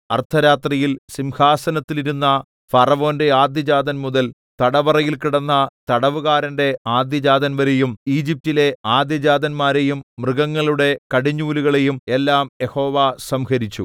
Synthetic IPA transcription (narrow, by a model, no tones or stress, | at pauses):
ɐrt̪ʰɐɾaːt̪rijilsimhaːsɐnɐt̪ːiliɾunːɐ | fɐrɐʋo̞ːnde̞aːd̪jɐd͡ʑaːd̪ɐnmuðɐl | t̪ɐɽɐʋɐrɐjilkiɽɐnːɐt̪ɐɽɐʋuɣaːɾɐnde̞aːd̪jɐd͡ʑaːd̪ɐnʋɐɾe̞jumiːd͡ʑip̚tile̞aːd̪jɐd͡ʑaːd̪ɐnmaːɾe̞jumːrɨɣɐŋːɐɭuɽe̞kɐɽiɲːuːluɣɐɭe̞jume̞lːaːmje̞ho̞ːʋasɐmhɐɾit͡ɕːṵ